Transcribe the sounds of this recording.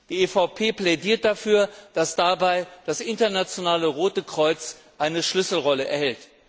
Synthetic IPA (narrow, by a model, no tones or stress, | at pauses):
d̥iːefaʊpʰeːplɛdiːɐt̚d̥afyːɐd̥asd̥abaɪd̥asʔɪntɐnat͡sjonaːləʁoːtəkʁ̥ɔʏt͡s | ʔaɪnəʃlʏsl̩ʁɔləʔɛ̰ɐhɛlt